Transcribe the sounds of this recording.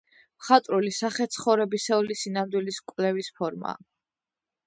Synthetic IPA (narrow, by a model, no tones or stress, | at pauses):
mχat̪ʼɾulisaχɛt̪sʰχɔvɾɛbisɛulisinamd̪wiliskʼwvlɛvispʰɔɾma̰ː